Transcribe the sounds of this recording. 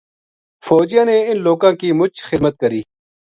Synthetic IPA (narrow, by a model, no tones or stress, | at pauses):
foːd͡ʑjãːneɪnloːkãːkiːmʊt͡ʃʰxɪd̪mət̪̚kəɾiː